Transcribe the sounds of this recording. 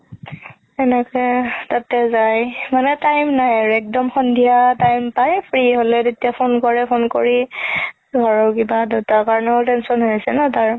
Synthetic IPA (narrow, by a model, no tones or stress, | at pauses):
ɛnɛkɛtatɛzajmanɛtajmnajaɹuɛk̚dɔmxɔndʱijatajmpajpʰɹiɦolɛtetijapʰonkɔɹɛpʰonkoɹi | ɡʱɔɹɔkibadeʊtakaɹɔnɔtɛnsɔnɦosɛnataɹ